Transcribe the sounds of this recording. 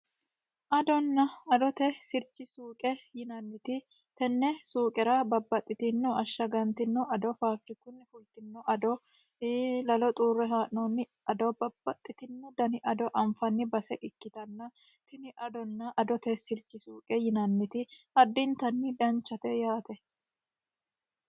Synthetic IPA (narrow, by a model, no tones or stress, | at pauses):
ʔɐd̪ɔnːɐɐd̪ɔt̪ɛsɪɾt͡ʃːɪsuːkʼɛjɪnɐnːɪt̪ɪ | t̪ɛnːɛsuːkʼɛɾɐbɐbːɐt̪ʼːɪt̪ɪnːɔɐʃːɐɡɐnt̪ɪnːɔɐd̪ɔfaːfɾɪkʊnːɪfʊlt̪ɪnːɔʔɐd̪ɔ | lɐlɔt̪ʼuːrːɛɦaːʔnɔnːɪ | ɐd̪ɔbɐbːɐt̪ʼːɪt̪ɪnːɔd̪ɐnɪʔɐd̪ɔʔɐɱfɐnːɪbɐsɛʔɪkːɪt̪ɐnːɐ | t̪ɪnɪʔɐd̪ɔnːɐʔɐd̪ɔt̪ɛsɪɾt͡ʃːɪsuːkʼɛjɪnɐnːɪt̪ɪɐd̪ːɪnt̪ɐnːɪd̪ɐnt͡ʃːɐt̪ɛjaːt̪ɛ